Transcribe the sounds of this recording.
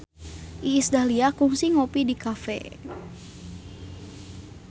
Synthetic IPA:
ʔiːsdaliakuŋsiŋopidikafɛ̰

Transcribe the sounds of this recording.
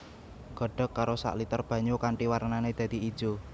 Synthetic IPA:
ɡ̥ɔ̤ɖ̥ɔ̤kːaɾosa̰ʔlit̪ərb̥ä̤ɲokaɳʈiwaɾnaned̪̥ä̤d̪̥iid̥d͡ʒ̥o

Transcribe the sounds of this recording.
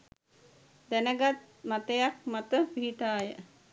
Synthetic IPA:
d̪ænəɡat̪̚ | mat̪əjak̚mat̪əpiɦiʈaːjə

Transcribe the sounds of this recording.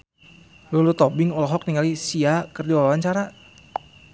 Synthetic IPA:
lulut̪ɔbɪŋɔlɔɦɔk̚niŋalisiakərdiwawawaɲt͡ʃaɾa

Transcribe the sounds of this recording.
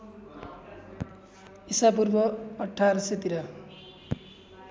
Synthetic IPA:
isap̬urbʌʌʈʰːaɾʌset̪iɾʌ

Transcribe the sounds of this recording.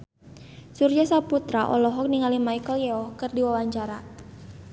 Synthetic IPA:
surd͡ʒasaput̪ɾaʔɔ̰lɔɦɔk̚niŋalimaikəljɛɔkɨrdiwawaɲt͡ʃaɾa

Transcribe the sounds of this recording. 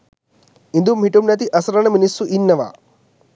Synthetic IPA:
ind̪umɦiʈumnɐt̪̬iʔɐsɐɾɐɳɐminisːuʔinːɐʋa̰

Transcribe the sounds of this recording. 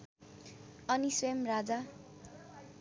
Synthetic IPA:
ʌniswemrad͡za

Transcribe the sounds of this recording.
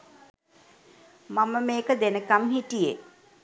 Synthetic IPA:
maməmeːkəd̪enəkamhiʈije

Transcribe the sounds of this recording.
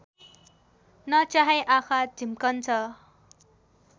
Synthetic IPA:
nʌt͡saɦajʔakʰad͡zʱimkʌnt͡sʰʌ

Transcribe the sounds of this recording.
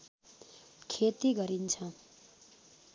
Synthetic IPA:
kʰet̪iɡʌɾint͡sʰʌ

